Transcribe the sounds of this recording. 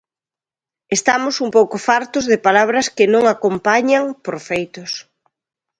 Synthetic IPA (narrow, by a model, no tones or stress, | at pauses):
est̪amʊsumpowkʊfaɾt̪ʊzðɪpalaβ̞ɾɐskɪnõŋakompaɲaŋpoɾfejt̪ʊs